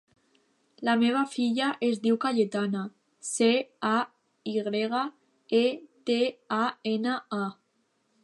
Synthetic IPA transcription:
lameβ̞afiʎaʔezd̪iwkaʎet̪ana | sea | iɣɾeɣ̞a | et̪eaenaa

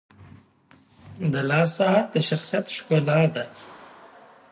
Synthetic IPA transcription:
d̪ɐlaːsat̪eʃɐxsijɐt̪ʃu̥kolaːd̪ɐ

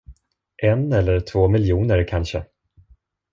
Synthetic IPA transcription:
ʔɛnɛlːəʈʰv̥oːmɪljuːnəɾkʰanʂə

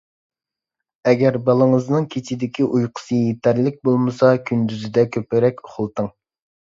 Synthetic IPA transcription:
ɛɡʲæɾbɑlˠəŋəznɨŋkʲʰet͡ʃʰid̪ɪkʲʰiʔujqʰʊ̥sɨjet̪ʰæɾlɪk̚ʲbolˠmɨsɑkʲʰynd̪yzɪd̪ɛkʲʰøpɪɾɛkʲʊ̥χʊlˠt̪ɨŋ

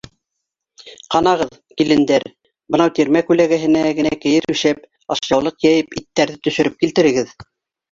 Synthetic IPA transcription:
qɑnɑʁɤð | kilɘ̆nd̪æɾ | bɤ̆nɑwt̪iɾmækʉlæɣæɦɘ̆næɡɘ̆nækɘ̆jɘɾʉʃæp̚ | ɑʃjɑwlˠɤqjæjɘpit̪ːæɾðɘt̪ɵ̆ʃɵ̆ɾɘp̚kilt̪ɘ̆ɾɘ̆ɡɘð

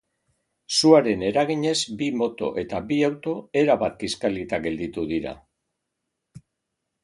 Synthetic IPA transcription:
suaɾe̞ne̞ɾaɣ̞iɲe̞zbimo̞t̪o̞̰ʔe̞t̪abiawt̪o̞e̞ɾaβat̪̚kiskalit̪aɡe̞ld̪it̪uðiɾa̰

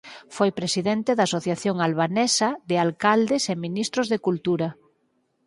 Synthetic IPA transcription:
fojpɾesiðent̪eðaːsoθjaθjoŋalβanɛsɐðealkald̪eseminist̪ɾozðekult̪uɾɐ

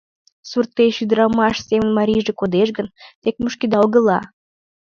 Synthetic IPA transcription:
surt̪ːeʃyd̪əɾɑmɑʃsemə̆nmɑɾʲiʒekod̪eʃɡənt̪ek̚məʃked̪lɣəlɑ̰

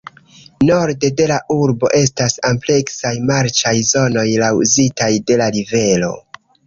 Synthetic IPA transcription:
no̞ɾde̞de̞laʔuɾbo̞̰ʔe̞s̬tasample̞ksajmaɾt͡ʃajzo̞no̞jlawzitajde̞laɾive̞lo̞̰

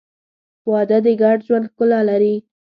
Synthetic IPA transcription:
wɑd̪ad̪əɡaɖʒwand̪xkʊlalaɾi

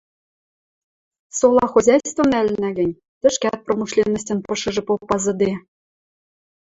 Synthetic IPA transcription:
solˠɑxuzʲæjst̪vŏmnælɘ̆næɡɘ̆nʲ | t̪ɘ̆ʃkæt̪̚promuʃlʲenːə̆s̬ʲt̪ɘ̆npɤ̆ʃɤ̆ʒɤ̆popːɑzɤ̆d̪e

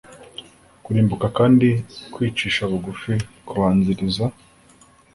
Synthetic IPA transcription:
kuɾiːmbukakaːndikwiːt͡ʃiːʃaβuɡufikuβaːnziɾiza

